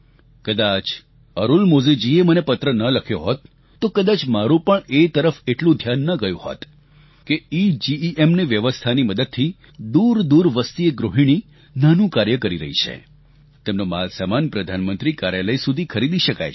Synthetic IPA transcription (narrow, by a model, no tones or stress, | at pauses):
kəd̪at͡ʃ | əɾulmod͡ʒed͡ʒiemənepət̪ɾənələkʰjoɦot̪ː | okəd̪at͡ʃmaɾũpəɳet̪əɾəfeʈlũd̪ʱjanːəɡəjũho̰t̪ | keid͡ʒiiʔemneʋjəʋəst̪ʰaniməd̪əd̪̚t̪ʰi | d̪uɾd̪uɾʋəst̪ieɡɾoɦiɽ̃i | nanũkaɾjəkəɾiɾə̰ɦḭt͡ʃʰḛ | t̪emnomalsamanpɾəd̪ʱanmənt̪ɾikaɾjaləjsud̪ʱikʰəɾid̪iʃəka̰j